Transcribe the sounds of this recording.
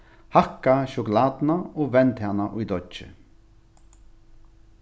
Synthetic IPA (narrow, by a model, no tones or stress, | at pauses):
hakːaʃʊkʊlaːd̪naoːvɛnt̪hanːaʔʊjd̪ɔt͡ʃɪ̰